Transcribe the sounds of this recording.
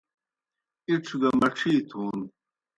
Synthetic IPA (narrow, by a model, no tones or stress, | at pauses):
iʈ͡ʂʰɡɐmɐʈ͡ʂʰiːt̪ʰuːn